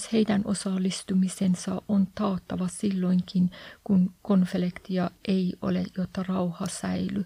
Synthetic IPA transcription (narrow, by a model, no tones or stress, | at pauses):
she̞jdænʔo̞̰sɑlːist̪umisensɑʔont̪ɑːt̪ːɑʋɑsilːo̞jŋkinkunko̞nflekt̪iɑʔeiʔo̰lḛjot̪ːɑrɑwhɑsæ̰jly